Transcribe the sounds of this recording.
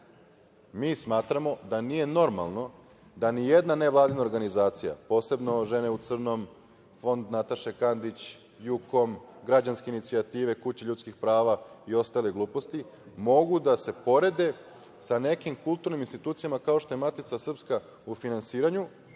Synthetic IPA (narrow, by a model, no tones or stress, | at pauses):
miːsmaːt̪ɾamo̞d̪anije̞no̞ɾma̰lˠno̞ | d̪anije̞d̪nane̞ʋlˠaːd̪inaoɾɡanizaːt̪sija̰po̞ːse̞bno̞ʒe̞ne̞ut̪sr̩no̞m | fo̞nd̪nat̪aʃekand̪it͡ɕ | juko̞mɡɾad͡ʑanske̞init̪siat̪iːʋe̞kut͡ɕeʎut̪skixpɾaːʋaio̞st̪aleɡlˠuːpo̞st̪i | mo̞ɡud̪ase̞po̞ɾe̞d̪e̞ | sane̞kimkulˠt̪uɾniminst̪it̪uːt̪sijamakao̞ʃt̪o̞je̞mat̪it̪sasr̩pska | ufinansiːɾaɲu